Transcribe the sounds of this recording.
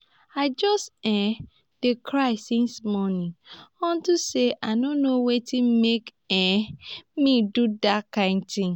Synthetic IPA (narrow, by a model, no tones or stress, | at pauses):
aɪd͡ʒɔstɛ̃ | d̥ekʰɹaɪsĩnsmɔnĩɔ̃ntuseʔaɪnõnowetʰĩnmek | ɛ̃midudakãɪ̃ndtĩŋ